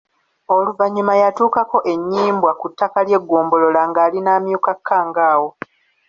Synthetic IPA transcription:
o̞luvaɲːumajatuːkako̞ʔe̞ɲːiːmbwakutːakalje̞ɡːoːmbo̞lo̞laŋɡaːlinaːmjukakʰːaːŋɡaːwo̞

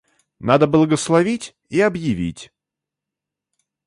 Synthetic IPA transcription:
nad̪əblˠəɡəslˠɐvʲitʲ | iɐbjɪvʲḭtʲ

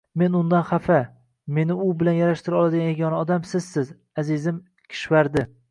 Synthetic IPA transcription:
me̞nʊnd̪anχafa | me̞nɪʊbɪlanjaɾaʃt̪ɪɾɒlˠad̪ɪɡʲanjeɡʲɒnaɒd̪amsɪzsɪz | azɪzɪm | kʲʰɪ̥ʃvaɾd̪ɪ

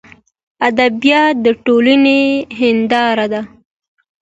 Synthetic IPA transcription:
ad̪abijɑt̪̚d̪əʈolaneɦɪnd̪ɑɾad̪a

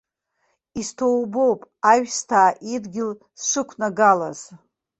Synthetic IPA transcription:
istʰowbo̞wpʼaɥᶣstʰaːʔidɡʲɪl | sʂɨkʷʰnaɡalaz

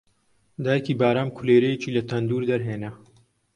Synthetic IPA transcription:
d̪aːjekiːbaːɾaːmkʰuleːɾɐjet͡ʃiːlɐt̪ʰɐnd̪uːɾd̪ɐɾɦeːnɐ

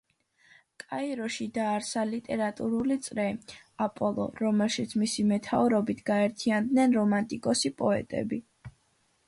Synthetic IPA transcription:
kʼaiɾɔʃid̪aːɾsalit̪ʼɛɾat̪ʼuɾulit̪sʼɾɛapʼɔlˠɔ̰ɾɔmɛlˠʃit̪sʰmisimɛt̪ʰauɾɔbit̪ʰɡaɛɾt̪ʰiand̪nɛnɾɔmant̪ʼikʼɔsipʼɔɛ̰t̪ʼɛ̰bi

